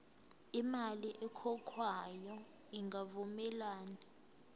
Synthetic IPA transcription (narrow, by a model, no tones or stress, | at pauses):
imaliʔɛkʰɔkʰwajɔ | iŋɡʱavumɛlaːni